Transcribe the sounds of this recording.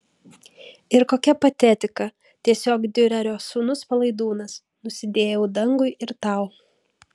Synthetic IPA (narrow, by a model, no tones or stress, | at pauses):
ɪɾkoːkʲɛpɐt̪ʲɛt̪ʲɪkɐ | t̪ʲiɛsʲoːkd̪ʲɪɾʲɐɾʲoːsuːnʊspɐlˠɐɪd̪uːnɐs | nʊsʲɪd̪ʲeːjɛʊd̪ɐŋɡʊɪʔɪɾt̪ɑˑʊ